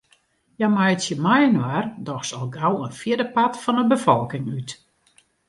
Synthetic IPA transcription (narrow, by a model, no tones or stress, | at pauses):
jamajtsjəmajənwardɔxsɔlˠɡawənfjɪdəpatfɔnəbəfɔlˠkɪŋyt